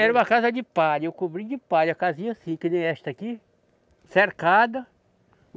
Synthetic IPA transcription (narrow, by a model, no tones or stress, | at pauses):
ɛɾũmɐkazɐd͡ʒɪpad͡ʒewkobɾid͡ʒɪpad͡ʒɐkazĩɲɐsĩkɪnẽj̃ɛʃt̪ɐki | seɾkad̪ɐ